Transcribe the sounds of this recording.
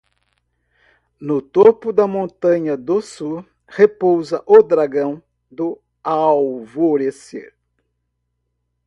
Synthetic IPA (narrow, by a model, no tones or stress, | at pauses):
nʊt̪opʊd̪ɐmõnt̪ɐ̃ɲɐd̪ʊsuɾ | hepowzɐʔʊd̪ɾaɡɐ̃w̃ | d̪ʊ | awvoɾesḛɾ